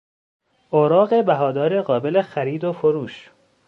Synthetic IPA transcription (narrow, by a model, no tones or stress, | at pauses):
ʔoːɾɒːɣebæɦɒːd̪ɒːɾeɢɒːbe̞lexæɾiːd̪ofoɾuːʃ